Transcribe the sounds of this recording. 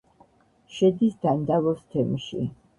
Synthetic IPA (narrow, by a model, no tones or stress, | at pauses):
ʃɛd̪isd̪̥and̪avɔst̪ʰɛmʃḭ